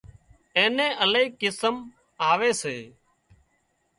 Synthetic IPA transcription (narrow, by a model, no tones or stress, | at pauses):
ẽːnẽːʔəleiːkɪsəm | aːʋeːseː